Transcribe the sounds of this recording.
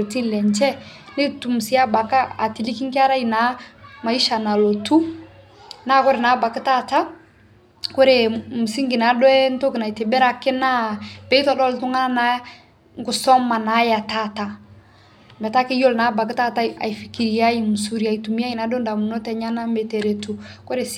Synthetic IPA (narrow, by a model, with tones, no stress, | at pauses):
ti˦n˨lɛ˨nt͡ʃɛ˦ne˦tu˨mu˨si˨˦ja˦ba˨ka˦a̰˨ti˨li˦ki˦ŋka˦ɾa˦ji˨na˨˦ma˨i˦ʃa˨na˨lo˨tu˦ | na˦˨kʊ˦ɾɪ˨na˨˦ba˨kɪ˦ta˦˨ta˦ | kʊ˦ɾe˨mu˨si˦ŋɡɪ˨na˨˦dɔ˦ɛ˦n˦to˦kɪ˨na˨i˨te˨bɛ˦ɾa˦kːɪ˦na˦b̥ɛ˨˦i˦tɔ˦˨dɔ˦ltu˦ŋa˦na˨˦ | ŋ˦ɡʊ˨sɔ˦ma˨na˨˦ja˨ta˦ta˨ | mbɛ˨ta˦kɪ˦jo˦lna˨˦ba˨k̬i˦ta˦ta˦a̰˨i˨fi˨ki˨ɾi˨ja˦ji˨mu˨su˨ɾi˨a˨i˨tu˨mi˦ja˦i˨na˨˦do˦nda˨mu˨nɔ˦tɛ˨˦ɲa˦na˦mɛ˨te˨ɾe˨tu˨ | ko˦ɾe˨